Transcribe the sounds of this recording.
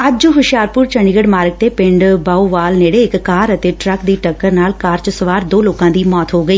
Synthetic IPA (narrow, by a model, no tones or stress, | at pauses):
ɐd͡ʒd͡ʒɦʊʃɪjaːɾpʊɾt͡ʃəɳɖiːɡəɽmaːɾəɡ̚t̪eːpɪ̃ɳɖbaːuʋaːlneːɽeɪkːaːɾət̪eʈɾəkd̪iːʈəkːəɾnaːlkaːɾt͡ʃsəʋaːɾd̪oːloːkãːd̪iːmɔːt̪ɦoːɡəiː